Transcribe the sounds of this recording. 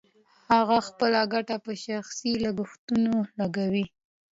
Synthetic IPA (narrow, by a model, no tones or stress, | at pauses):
haɣaxpəlaɡaʈapəʃaxsilaɡʊxt̪unolaɡawi